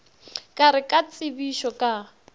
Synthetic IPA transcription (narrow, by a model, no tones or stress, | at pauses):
kʼaɾɪkʼat͡sʼɪbiʃɔkʼa